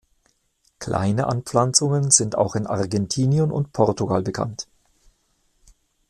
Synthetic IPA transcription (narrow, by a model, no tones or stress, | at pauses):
kʰl̥a̰ɪnəʔanpp͡flant͡sʊŋənzɪnta̰ʊxɪnʔaʁɡɛntʰiːnjonʊ̰ntpʰɔʁtuɡalbəkʰa̰nt